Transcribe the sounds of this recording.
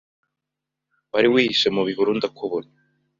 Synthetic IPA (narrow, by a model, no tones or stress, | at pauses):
waɾiwiːhisemuβiɦuɾuːndakʰuβona